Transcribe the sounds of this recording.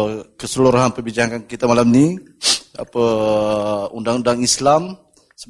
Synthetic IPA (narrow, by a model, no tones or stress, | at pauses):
kəsəluɾaɦanpəbid͡ʒakankit̪amalamni | a̰pə | undaŋundaŋislam | sə